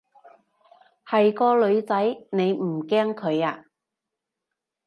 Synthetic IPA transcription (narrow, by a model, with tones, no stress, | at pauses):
hɐ˨jkɔː˧lɵ˨˧ɥt͡sɐ˨˥jne˨˧jm̩˨˩kɛː˥ŋkʰɵ˨˧ɥaː˧